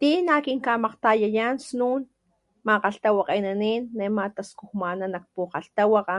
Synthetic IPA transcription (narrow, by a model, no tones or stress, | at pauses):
t̪inakiŋkamaqt̪ajajansnuːn | maqaɬt̪awaqejnaniːnːemat̪askuhmananak̚puqaɬt̪awaqa